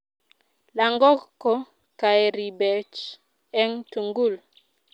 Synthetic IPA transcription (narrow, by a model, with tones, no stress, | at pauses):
la˨ŋɡɔ˦kːɔ˦ | ka˨e˨ɾi˨bɛ˨t͡ʃ | ɛ˦ŋtu˨ŋɡu˦˨l